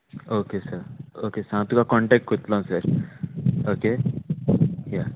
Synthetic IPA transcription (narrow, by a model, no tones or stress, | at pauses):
okesəɾokesəɦãt̪ukakɔɳʈɛk̚ʈ̚kot̪lãsəɾ | oke | ja